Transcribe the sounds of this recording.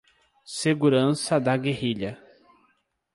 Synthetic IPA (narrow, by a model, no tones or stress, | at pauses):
seɡuɾɐ̃sɐd̪ɐɡehiʎɐ